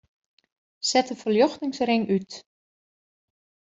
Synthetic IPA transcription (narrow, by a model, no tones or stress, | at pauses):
sɛtəfəljɔxtɪŋsrɪŋʔyt